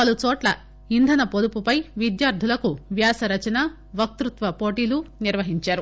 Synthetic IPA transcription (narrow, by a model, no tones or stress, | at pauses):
pɐlut͡ʃɔːʈlɐ | ind̪ʱɐnɐpod̪upupɐjʋid̪jaːɾd̪ʱulɐkuʋjaːsɐɾɐt͡ʃɐnaː | ʋɐk̚t̪ɾut̪ʋɐpo̞ːʈiːluniɾʋɐɦiɲt͡ʃaːɾu